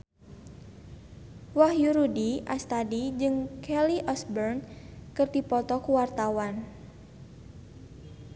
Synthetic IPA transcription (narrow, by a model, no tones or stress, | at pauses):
wahjuɾudiast̪adid͡ʒɨŋkʰɛliʔɔsbɛrnkɨrd̪ipɔt̪ɔkuwart̪awan